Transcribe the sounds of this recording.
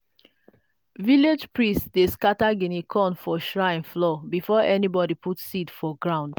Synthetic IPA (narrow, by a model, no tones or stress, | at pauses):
viled͡ʒpɹĩstdeskataɡĩnikʰɔ̃nfɔʃɹãɪ̃nflɔbifɔʔɛnibɔdipʰutsitfɔɡɹãʊ̃nd